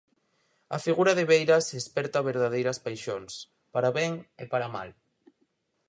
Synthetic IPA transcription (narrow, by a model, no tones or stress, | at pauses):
a̰fiɣuɾaðeβ̞ejɾasespɛɾt̪aβeɾð̞að̞ejɾaspajʃons | paɾaβeŋepaɾama̰l